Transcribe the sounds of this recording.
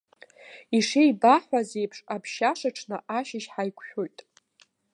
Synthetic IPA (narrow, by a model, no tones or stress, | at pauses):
iʂejbaħʷaze̞jpʰʂʼapʰʃaʂaʈ͡ʂʰnɨʔaʃɪʃħajkʷʰʼħᶣʊlʲtʼ